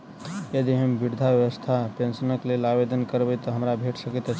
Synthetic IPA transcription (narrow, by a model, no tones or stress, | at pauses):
jəd̪iɦəmbʱiɽd̪ʱaʋjəʋəst̪ʰapẽnsənəklelabed̪ənkəɾbət̪ɔɦəmɾabʱeʈʰsəkət̪ə